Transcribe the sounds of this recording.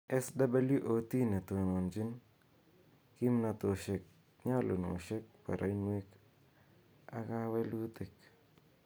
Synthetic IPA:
ɛ˦sda˦ba˦lju˦ʔo˨ti˦ne˨two˨no˨nd͡ʒi˦n | ki˦mna˨t̪o˨ʃe˨k̚ | ɲa˦lo˨no̰˨ʃe˦k̚pa̰˨ɾʔa̰˨i˦nwe˦k | a̰˨ka˦wɛ˦lu˦tɪ˨k

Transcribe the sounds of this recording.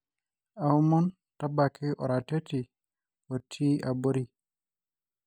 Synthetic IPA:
a˨u˦mɔ˦n | ta˦ba˨ki˦ʔɔ̰˨ɾa˨te˦ti˨ | o˨tʰi˦a˨bo˦ɾi˨

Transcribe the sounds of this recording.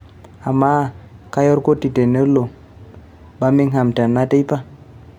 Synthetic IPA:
a˨mːa˦ka˦jo˦ɾko˦ti˨te˨ne˦lo˨ | ba˦mi˦ŋɦa˨mta˨nːa˦te˦jpa˦

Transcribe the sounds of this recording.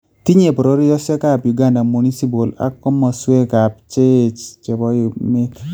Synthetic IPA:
ti˦ɲe˨pɾo˦ɾi˦jɔ˦sjɔ˦ka˦˨pju˨ɡa˦nda˨mu˨ni˦si˦p̬o˨la̰˨˦kɔ˦mɔ˨swe˦ka˨p̚t͡ʃe˦t͡ʃt͡ʃɛ˨bɔ˦jme˦

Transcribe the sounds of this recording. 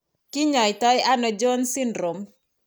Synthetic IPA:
ki˦ɲɔ˨jtɔ˦ja˦nɔ˨d͡ʒɔ˦nsɪ˦ndɾo˨m

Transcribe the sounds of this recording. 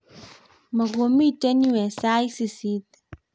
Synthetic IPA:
ma˨ɡo˨mi˦˨te˦ni˦wɛ˨sa˦i˦si˨si˦t̪

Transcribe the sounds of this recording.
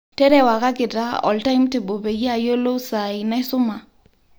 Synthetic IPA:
tɛ˦ɾɛ˦˨wa˨ka˦kɪ˨ta˦ɔ̰˨lta˦ɪmtɪ˨bo˨be˨ja˦˨jo˦lo˦sa˨ɪna˦ɪ˦sʊ˦ma˨

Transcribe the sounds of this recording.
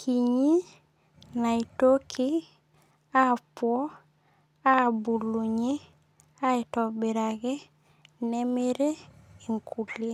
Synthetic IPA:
kʰiɲi˦ | na˨ito˦kʰi˦ | a˦puo˦ | a˦bu˨lu˨ɲe˦ | a˦itɔbiɾaɡe˦ | neme˦ɾe˦i˨ŋkʰu˨li˦

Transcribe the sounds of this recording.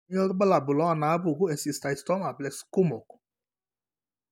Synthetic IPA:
ɔ˦ɾbə˦la˨bu˨lɔ˦a˨nabu˨ɡu˦e˨sist̪aist̪ɔ˦ma˨blɛksku˦mɔ˨ku̥

